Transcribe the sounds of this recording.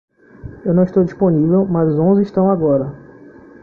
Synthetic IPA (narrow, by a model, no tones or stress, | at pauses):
ewnɐ̃w̃iʃt̪owd͡ʒisponivewmɐzʊzõzɪiʃt̪ɐ̃w̃aɡɔɾɐ